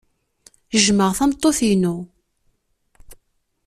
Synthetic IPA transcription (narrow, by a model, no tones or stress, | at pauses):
əʒməʁθæmt̪ˤːoθinu